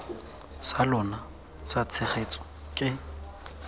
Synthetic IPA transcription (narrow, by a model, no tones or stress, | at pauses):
salɔna | sat͡sʰɛχet͡sʼɔ̥ | kʼɪ